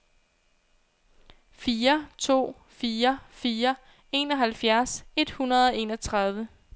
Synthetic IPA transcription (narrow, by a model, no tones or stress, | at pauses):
fiːɐt͡sʰo̝̰ː | fiːɐfiːɐ | e̝̰ːnɒ̽ɦælfjæɐse̝d̥hunɐð̞ˠɒ̽e̝̰ːnɒ̽t͡sʰʁɑ̈ð̞ˠʋə